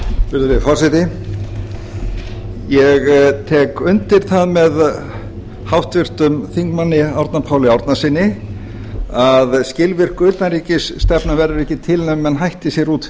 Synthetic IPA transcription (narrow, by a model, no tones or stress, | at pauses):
pɪɾðʏɾvɪfɔr̥sɪt̪ɪ | jɛɣt̪ʰɛːkʏnt̪ɪɾ̥θaðmɛð | hawht̪vɪr̥t̪ʏmθiŋkmanːɪawɾt̪napʰaːwlɪawɾt̪nasɪnːɪ | aðscɪlvɪr̥kʏt̪naɾiːcɪsːt̪ɛpnavɛɾðʏɾɛhcɪt̪ʰɪlnɛmːɛnɦajht̪ɪsjɛɾuːt̪